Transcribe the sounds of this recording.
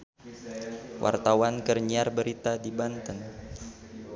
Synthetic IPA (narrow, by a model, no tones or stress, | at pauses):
wʔa̰rt̪awankərɲiarbəɾit̪adibant̪ən